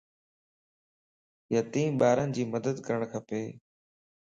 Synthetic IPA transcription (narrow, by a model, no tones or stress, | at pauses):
jat̪ĩːɓaːɾənɪd͡ʑiːməd̪əd̪kəɾəɳ̃kʰəpeː